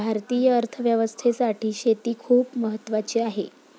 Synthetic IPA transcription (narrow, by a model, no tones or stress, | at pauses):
bʱaɾt̪iːjəəɾt̪ʰəʋjəʋəst̪ʰesaʈʰiːɕet̪iːkʰuːpməɦət̪ːʋat͡ɕiːaɦe